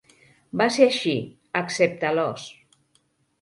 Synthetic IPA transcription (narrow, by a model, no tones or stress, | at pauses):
baseaʃi | aksep̚t̪alɔs